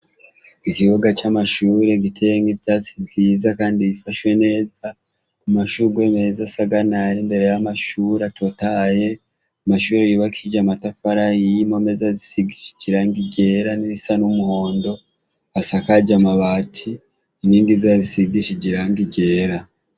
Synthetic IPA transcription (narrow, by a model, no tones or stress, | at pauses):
ikiβoɡat͡ʃamaʃuːɾe̞ɡitʰejeŋɡiβtaːt͡si̥bziːzakaːndiβifaʃwe̞ne̞ːza | umaʃuɾɡweme̞zasaɡanaɾimbe̞ɾe̞jamaʃuːɾatʰo̞taje̞ | amaʃuːɾejiβakʰid͡ʒamatafaɾajijimomezazisiɡiʃi̥ɟiɾaŋɡiɟe̞ːɾaniisanumuho̞ːndo̞ | asakaɟamaβaːtʰi | iniːŋɡizazisiɡiʃiɟiɾaŋɡiɟe̞ːɾa